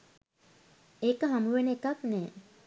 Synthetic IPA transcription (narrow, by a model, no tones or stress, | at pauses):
eːkəɦamuʋenekaknɛː